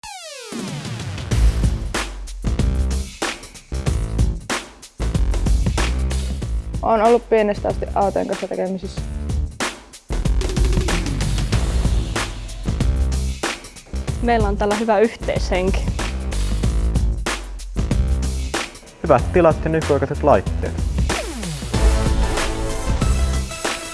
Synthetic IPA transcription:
ʔoːnolːuppienest̪æːst̪iʔɑwt̪oḛŋkɑ̃nsːɑt̪e̞̰kemisesː | mejlːæonæːlːæɦyʋæyht̪ḛjsheŋki̥ | hyʋæt̪t̪ilɑt̪jɑnykojkɑset̪lɑjt̪ːḛːt̪

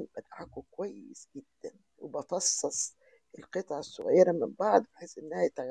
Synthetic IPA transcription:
mbæd̪ʕakokowæjːḛsɡɪd̪ːæn | webɑfɑsˤːɑsˤ | ʔelqɨt̪ˤʕɑsːo̰ɣæ̰jːɾɑmɪmbɑʕd̪ˤbħesːʔɪnːæhæjt̪æɣ

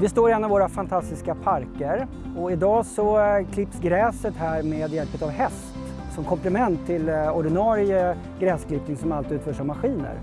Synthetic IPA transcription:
vɪst̪oːɾɪɛnːavoːɾafant̪ʰast̪ɪskapʰaɾkəɾ | ɔɪd̪ɑːsɔkʰlɪpsɡɾɛːsət̪hæːɾmeːd̪jɛlpət̪avɦɛst̪ | sɔmkʰɔmplɛmɛnt̪ʰːɪlɔɖɪnɑːɾɪə | ɡɾɛːskʰlɪpnɪŋsɔmalt̪ʉt̪fœːʂammaɧiːnə̰ɾ

